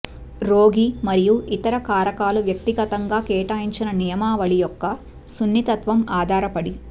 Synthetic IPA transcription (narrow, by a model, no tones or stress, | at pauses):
ɾoːɡimɐɾijuʔit̪ɐɾɐkaːɾɐkaːluʋjɐk̚t̪iɡɐt̪ɐŋɡaːkɛːʈaːjiɲt͡ʃinɐnɛjɐmaːʋɐɭijɔkːɐ | sunːit̪ɐt̪ʋɐmaːd̪ʱaːɾɐpɐɽi